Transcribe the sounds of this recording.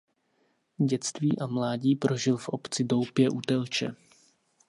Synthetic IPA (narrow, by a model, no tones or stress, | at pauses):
ɟɛt͡st̪viːʔamlaːɟiːpɾo̞ʒɪlfʔo̞pt͡sɪdo̞wpjɛʔut̪ɛlt͡ʃɛ̰